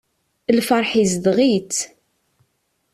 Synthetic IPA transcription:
lfɑɾˤħizd̪ʁit͡s

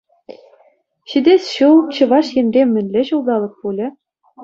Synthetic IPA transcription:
ɕid̪ʲesɕulˠt͡ɕɤ̆ʋɑʂjɘ̆nʲrʲemʲːɘ̆nʲlʲɘ̆ɕulˠd̪ɑlˠɤ̆k̚pulʲɘ̆

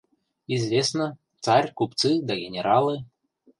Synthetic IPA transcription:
izvʲesnə | t̪sarʲkupt̪sɨd̪ɐɡʲɪnʲɛɾʔalˠɨ

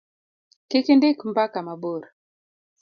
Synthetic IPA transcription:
kekindikmbakamaboɾ

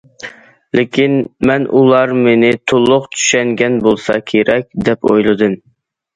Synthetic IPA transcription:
lekʲʰinmɛnʔulˠɑɾmenɪt̪ʰolˠːʊqt͡ʃ̪ʰy̥ʃɛŋɡʲɛnbolˠsɑkʲʰeɾɛkʲd̪ɛpʰo̰jlˠɨd̪ɨm

